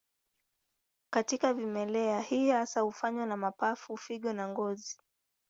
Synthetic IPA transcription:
katikavimɛlɛahihasahufaɲwanamapafufiɠɔnaŋɡɔzi

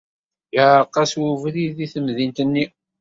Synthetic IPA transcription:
jəʕqːɑswuvliðiθəmðint̪ənːi

